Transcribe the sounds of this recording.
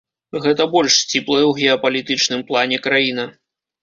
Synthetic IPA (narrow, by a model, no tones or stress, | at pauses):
ɣɛt̪ɐbɔlʲʂsʲt͡sʲiplˠɐjɛwɣʲɛɐpɐlʲit̪ɨt͡ʂnɨmplˠanʲɛkɾajinɐ